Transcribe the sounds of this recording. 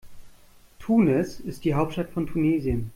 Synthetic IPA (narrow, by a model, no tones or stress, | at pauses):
tʰuːnɛsɪst̚d̥iːɦaʊp̚tʃtatfɔntʰuneːziən